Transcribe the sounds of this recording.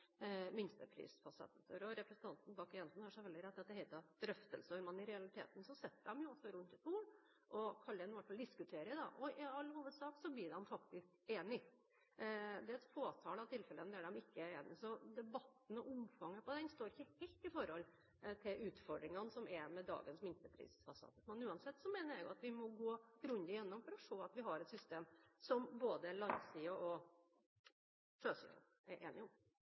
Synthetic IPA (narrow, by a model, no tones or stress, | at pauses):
mʏnst̪əpʰɾḭːsfɑsɑ̰t̪ːət̪ɔɾɔɾɛpɾɛsənt̪ʰɑnt̪n̩bɑːkjɛnsn̩hɑːʂæʋɛld̪ɪɾɛd̪ːɑt̪d̪ɛhɛɪt̪ɑd̪̥ɾœft̪ə̰lsəɔɾmɛnːɪɾɛɑlɪt̪ʰḛːt̪n̩sɔsɛt̪ːəɖ̪ɛmjʊɔsːɔɾʉnt̪ɛt̪uːɳ | ʔɔkʰɑlːəɛnɪʋæʈfɑld̪ɪskʉt̪ʰeːɾəd̪ɑ̰ʔɔʔɪɑlːhuːʋəd̪sɑːksɔblɪːɾɖɛnfɑkt̪ɪskeːnɪ | d̪ɛɛt̪foːt̪ʰɑːlɑʋt̪ʰɪlfɛlənd̪ɛæɖɛmɪkːəæɾeːnɪ̰sɔd̪ɛbɑt̪ːn̩ɔʔʊmfɑŋːəpɔd̪ɛnst̪oːɾɪçːəhɛɪlt̪ɪfɔɾhɔlː | t̪ʰɪlʔʉːt̪fɔɖɾɪŋɑnsɔmɛmɛd̪ɑ̰ːɡənsmɪnt̪əpʰɾḭːsfɑsɑ̰ːt̪əmɛnʉːɑnsɛt̪ːsɔmeːnəɾjæɡʊɑt̪ʋɪmɔɡoːɾʉnd̪ɪjɛnːɔmfɔɾɔʂoːɑt̪ʋɪɦɑɾɛt̪sʏst̪eːmsɔmboːd̪əɭɑŋsiəʔɔ | ʂøːsḭə̰ | ɛɾʔḛːnɪʊm